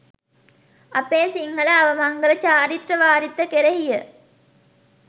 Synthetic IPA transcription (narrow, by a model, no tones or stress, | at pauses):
ɐpeːsiŋɡələɐʋəmaŋɡəɾət͡ɕaːɾit̪rəʋaːɾit̪ːəkeɾeɦijə